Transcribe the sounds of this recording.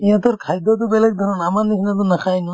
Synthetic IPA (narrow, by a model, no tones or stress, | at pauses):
ijãt̪ɔɾkʰajd̪ɔt̪̬ɔbɛlɛk̚d̪ʱɔɾɔnamanisnat̪ɔnakʰajnɔ